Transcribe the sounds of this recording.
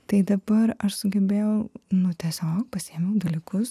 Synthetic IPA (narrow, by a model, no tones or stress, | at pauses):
t̪ɐɪd̪ɐbɐɾɐʃsʊɡʲɛbʲeːjɛʊnʊt̪ʲiɛsʲoːk̚pɐsʲiɛmʲɛʊd̪ɐlʲɪkʊs